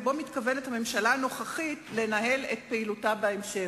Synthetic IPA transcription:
bo̞mitkavenethame̞mʃalaːno̞χaχitle̞naɦe̞let̚peilutabaemʃe

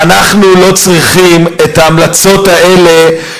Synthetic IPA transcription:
anaχnulo̞t͡sʁiχime̞taːmlat͡so̞tae̞le̞

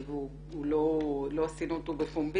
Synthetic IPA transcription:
bu | ulolosinũt̪ubefũmbi

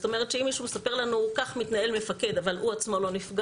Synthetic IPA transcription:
ot̪o̞me̞ʁ̞et̪t͡ʃeimːiʃumesape̞ʁlanukaχmit̪nae̞lme̞fake̞d̪avaluat͡smolo̞nifɡa

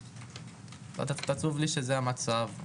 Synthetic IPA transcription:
a̰t̪t̪at͡suvliʃezeamat͡sav

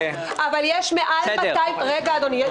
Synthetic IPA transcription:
ʔavaljeʃmeʔaldaajʁeɡaːd̪oni

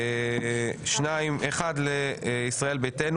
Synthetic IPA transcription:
ʃnaimeχadleisʁae̞lbeten

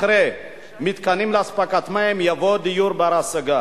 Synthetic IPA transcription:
ɾe | mit̪kanimlaspakat̪maemjavod̪ijuɾbaɾasəɡa

